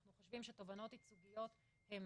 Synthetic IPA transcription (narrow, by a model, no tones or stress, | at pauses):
χnuχoʃvimʃet̪o̞vano̞t̪it͡suɡijo̞t̪ | hem